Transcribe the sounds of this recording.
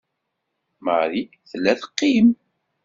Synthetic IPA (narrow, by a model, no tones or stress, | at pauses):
məɾi | θəlːæθəqːim